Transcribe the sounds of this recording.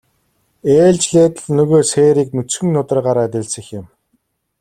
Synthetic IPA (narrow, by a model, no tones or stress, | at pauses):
eːɮt͡ɕɮeːt̪ə̆ɮnɵɣoːseːɾiːknɵt͡sxɵ̆ŋnʊt̪ə̆rɢaːɾaːt̪ʲɪ̆ɮsɘ̆xjɪ̆m